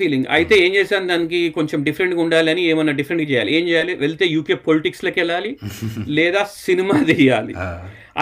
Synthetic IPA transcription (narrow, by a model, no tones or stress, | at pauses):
iːliŋɡɐ̰jit̪e̞ːeːɲt͡ʃɛːsaːnd̪aːnik̬iko̞ɲt͡ʃemɖifʰɐɾeɳʈɡuɳɖaːliɐnieːmɐnːɐɖifʰɐɾeɳʈɡɐt͡ʃɛjaːlie̞ːmt͡ʃɛːjaːliʋelt̪e̞ːjuːkeːpoliʈiksloːkɛlːaːlilɛːd̪aːsinimaːd̪ijaːlḭ | ɐ̰